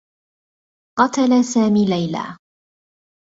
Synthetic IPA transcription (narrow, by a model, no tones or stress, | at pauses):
qɑt̪alasaːmiːlajla̰ː